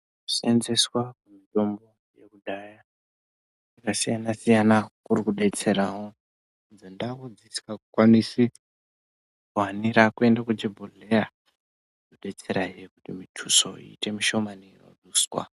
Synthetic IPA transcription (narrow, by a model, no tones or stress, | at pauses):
u̥senzeswakumito̞mbo̞ | je̞kuɗaja | jakasijanasijanakurikuɗe̞t͡se̞ɾawo | nzondakud͡ziskakukwanisi | kuɦaniɾakue̞ndakud͡ʒebʱolera | oɗe̞t͡se̞ɾaɦiekutimitʰuso̞ḭːte̞miʃo̞maniro̰ɗuːswa̰